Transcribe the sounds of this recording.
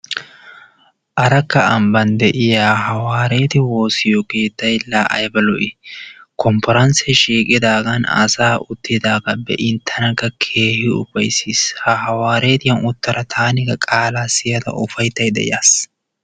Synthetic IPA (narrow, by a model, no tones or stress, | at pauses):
ʔɐɾɐkːɐɐmbɐnd̪ɛʔɪjaːɦɐwaːɾeːt̪ɪwo̞ːsɪjɔke̞ːt̪ːɐjlaːʔɐjbɐlɔʔɪkɔmpɔɾɐnsɛʃiːkʼɪd̪aːɡɐnɐ̰saːʔʊt̪ːɪd̪aːɡɐbɛ̰ʔɪnt̪ʰːɐnɐkːɐkʰe̞ːhɪʊ̰bɐjsiːshɐhɐwaːɾe̞ːt̪ɪjɐnʊt̪ːɐɾɐt̪ʰaːnɪɡɐkʼaːlaːsɪjɐd̪ɐ̰ʔʊfɐjt̪ːɐjd̪ɛ̰ʔɪ̰jaːs